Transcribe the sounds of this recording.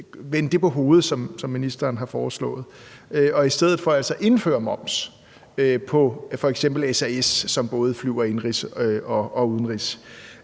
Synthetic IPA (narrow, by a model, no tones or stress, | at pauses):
ʋend̥e̝pʰɒ̽ɦo̝ːð̞̩ˠsɒ̽msɒ̽mːinisd̥ɐːnɦɑ̈fɒːslɔ̰̽ːð̞̩ˠøɒ̽isd̥eð̞̰ˠð̩ˠfɒ̽ælsɒʔe̝nfø̰ːɐmɒ̽m̰s | øpʰɒ̽fɒ̽eɡ̥sem̰b̥l̩esæesːɒ̽mb̥ɔ̽ːð̞̩ˠəflyʊ̰ɐe̝nʁisɒ̽ʔɒ̽uð̞ˠn̩ʁis